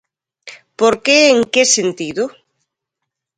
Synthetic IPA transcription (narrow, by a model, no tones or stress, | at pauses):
poɾkeeŋkesent̪iðʊ